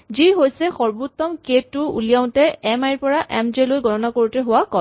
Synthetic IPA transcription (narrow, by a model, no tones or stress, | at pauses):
ziɦojsɛxɔɹbut̪ːɔmketːʊṵlijaʊ̃tɛɛmajɹpɔɹaʔɛmd͡ʒelojɡʱɔtɔnakoɹutɛɦʊwakɔ